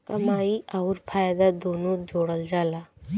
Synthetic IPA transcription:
kɐmaːiʔaʊɾpʰaːjd̪ad̪oːnõd͡ʒoːɽəld͡ʒaːlaː

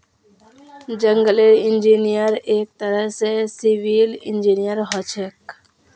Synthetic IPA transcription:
d͡ʒə̃ŋɡəleɪ̃nd͡ʒinijəɾeːk̚t̪əɾəɦsesiʋilɪ̃nd͡ʒiːnijəɾɦɔt͡ʃʰek

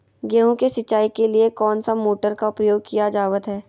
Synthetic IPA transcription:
ɡeːɦũkesɪtːt͡ʃːaːikeliekɔːnsamoːʈəɾkaʊpɾəjoːɡ̚kijad͡ʒaːʋət̪ɦɛː

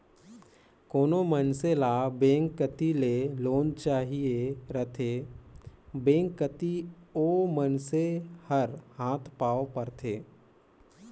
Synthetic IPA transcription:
koːnomənselaːbẽːŋkːət̪ileloːnt͡ʃaːɦieɾət̪ʰeː | bẽːŋkːət̪ioːmənsehəɾhaːt̪ʰpaːopəɾt̪ʰeː

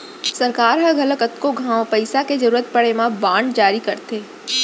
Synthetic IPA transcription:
səɾkaːɾɦəɡələɡət̪koɡʱãːʋ̃pəɪsaked͡ʒəɾuːɾət̪̚pəɽemãbãːɳɖd͡ʒaːɾikəɾt̪eː

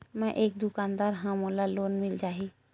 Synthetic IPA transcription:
mɛ̃ʔeːk̚d̪ʊkaːnd̪aːɾɦãmoːlaloːnmɪld͡ʒaːɦi

